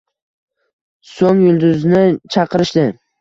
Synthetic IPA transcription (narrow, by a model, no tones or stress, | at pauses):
soŋjʊlˠd̪ʊznɪt͡ʃʰɑqɨɾɪʃd̪ɪ